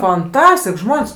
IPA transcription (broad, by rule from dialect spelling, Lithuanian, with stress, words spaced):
fɐnˈtɑːsʲtʲɪk ˈʒmoːnʲsʲ